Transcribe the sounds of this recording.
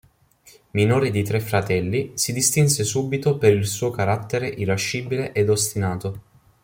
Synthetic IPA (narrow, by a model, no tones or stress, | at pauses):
minoːɾed̪it̪ɾefːɾat̪ɛlːisid̪ist̪insesuːbit̪opeɾilsuːokaɾat̪ːeɾeʔiɾaʃːiːbileʔed̪ost̪inaːt̪o